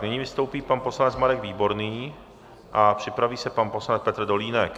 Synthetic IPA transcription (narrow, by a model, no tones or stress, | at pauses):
nɛɲivɪst̪owpiːpanposlanɛt͡smaɾɛɡviːbo̞ɾniː | ʔapr̝̥ɪpɾaviːsɛpanposlanɛt͡spɛt̪r̩doliːnɛk